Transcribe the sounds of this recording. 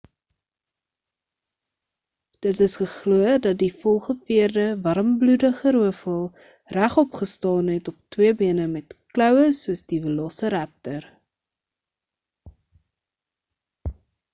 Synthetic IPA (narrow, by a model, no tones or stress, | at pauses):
d̥ətəsχəχluədɐt̚difɔlˠχəfiərdəvɐɾəmbludəχəɾuəfəlˠ | ræχɔpχəstɑːnɦɛtɔp̚twiəbiənəmɛtklœwəsuəsdivəlɔsəɾæp̚tər